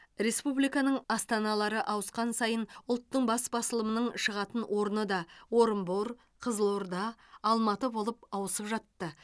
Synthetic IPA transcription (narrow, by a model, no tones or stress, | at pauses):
ɾe̞spublijkɑnəɴɑst̪ɑnɑlˠɑɾəʔɑwəsqɑnsɑjənʊlˠt̪ːəɴbɑsbɑsəlˠəmənəɴʃəʁɑt̪ənwʔo̞ɾənəd̪ɑwo̞ɾəmboɾ | qʰəzəlˠoɾd̪ɑːlˠmɑt̪əbo̞lˠəp̚ɑwəsəpʒɑt̪ːə